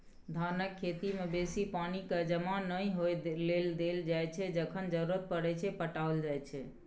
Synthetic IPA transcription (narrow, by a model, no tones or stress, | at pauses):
d̪ʱaɾnəkʰːet̪imebesipanikəd͡ʒəmanəjɦojleld̪eld͡ʒajt͡ʃʰɛd͡ʒəkʰənd͡ʒəɾuɾət̪̚pəɽɛt͡ʃʰɛpəʈaold͡ʒajt͡ʃʰɛ